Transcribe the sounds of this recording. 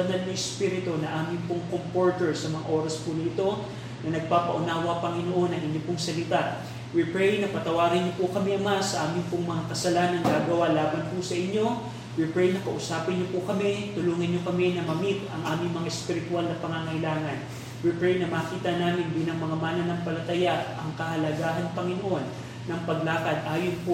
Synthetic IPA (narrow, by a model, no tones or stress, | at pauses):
ɐnalnɐʔɛspiːɾɪt̪onɐʔaːmɪŋpʊŋkompoɹt̪ɛɹsɐmɐŋa̰ʔo̞ːɾɐspʊnit̪o̞ | nɐnɐɡ̚paːpɐʔʊnaːwɐpɐŋɪnoʔo̞nɐŋɪɲːopʊŋsɐlɪt̪at̪̚ | wipɹɛjnɐpɐt̪ɐwaːɡɪnɲopʊkɐmɛʔɐmasɐʔaːmɪŋpʊŋmɐŋakɐsɐlanɐŋɡaːɡɐwalaːbɐnpʊsɐʔɪɲːo̞ | wipɹɛjnɐkɐʔʊsaːpɪnɲopʊkɐmɛt̪ʊluːŋɪnɲokɐmɛnɐmɐmit̪ɐŋʔaːmɪŋmɐŋaʔɛspɪɾɪt̪ʊalnɐpɐŋaːŋɐhɪlaːŋɐn | wipɹɛjnɐmakiːt̪ɐnaːmɪnbiːlɐŋmɐŋamaːnɐnɐŋpɐlɐt̪ɐjaʔʔɐŋkɐhɐlɐɡaːɦɐnpɐŋɪnoʔo̞nː | ɐŋpɐɡ̚laːkɐd̪̚ʔaːjonpo